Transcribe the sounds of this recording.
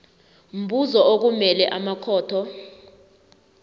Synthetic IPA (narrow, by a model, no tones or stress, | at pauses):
m̩buzɔok̬umɛlɛʔamakʰɔːtʰɔ